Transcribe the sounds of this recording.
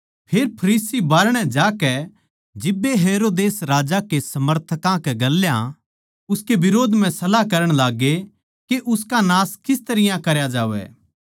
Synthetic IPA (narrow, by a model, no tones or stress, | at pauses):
pʰeːɾpʰɐɾiːsibaːɾɽ̃ɛ̃d͡ʒaːkɛ | d͡ʒɪbːeɦeːɾoːd̪eːsɾaːd͡ʒakesɐməɾt̪ʰəkãkɛɡɐlːjã | ʊskebɪɾoːd̪mɛ̃sɐlakɐɾəɽ̃laːɡe | keʔʊskanaːskɪst̪ɐɾɪjãkɐɾjad͡ʒaːʋɛ̰ː